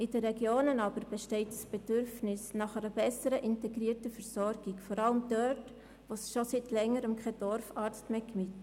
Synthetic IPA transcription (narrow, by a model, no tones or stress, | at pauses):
ɪd̥əɾɛɡjoːnənɑːbəɾb̥ɛʃtɛɪtsb̥ɛdʏɾfnɪsnɑχæɾəbɛsəɾəʔɪntɛɡɾiːərtəfəɾsɔɾɡ̥ikfɔɾɑləmd̥œt | ʋosʃositlɛŋːəɾəmkχɛd̥ɔɾfɑːɾt͡stmeːkmit